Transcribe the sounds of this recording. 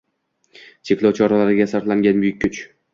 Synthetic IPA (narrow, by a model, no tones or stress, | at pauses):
t͡ʃʰe̞kʲlˠɒwt͡ʃʰɒɾalaɾɪɡʲasaɾt̪laŋɡʲanmʊjɪkʲʰːʊt͡ʃ